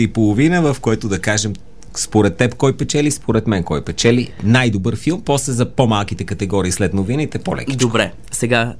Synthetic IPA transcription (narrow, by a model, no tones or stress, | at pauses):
ipolˠovinəvɐfkoɛt̪od̪ɐkaʒɛm | spoɾɛt̪ːɛpkɔjpɛt͡ʃɛlispoɾɛt̪mɛnkɔjpɛt͡ʃɛlinajd̪obɤɾfilˠmpɔslɛzɐpomalˠkit̪ɛkɐt̪ɛɡɔɾiːslɛt̪novinit̪ɛpo̰lɛ̰kidt͡ʃ̪okbɾɛ | sɛɡa